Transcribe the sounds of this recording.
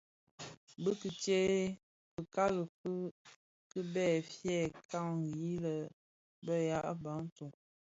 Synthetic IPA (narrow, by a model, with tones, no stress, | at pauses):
bə˦kə˨t͡ʃe˦ | pə˨ka˦lə˨kə˦ | kə˦bɛ˦˨fjɛ˦˨ka˦˨ŋ˨i˦lə˨ | bə˦ja˦ʔba˨˦n̩˦tu˨ŋ